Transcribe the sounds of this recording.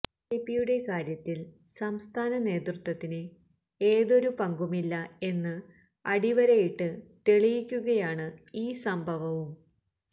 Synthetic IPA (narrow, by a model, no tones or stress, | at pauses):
epijuɽe̞kaːɾjɐt̪ːil | sɐmst̪ʰaːnɐne̞ːt̪rɨt̪wɐt̪ːine | eːðo̞ɾupɐŋɡumilːɐe̞nːɨ | ɐɽiʋɐɾɐjiʈːɨt̪eɭijikʲːuɣɐjaːɳɨiːsɐmbʱɐʋɐʋum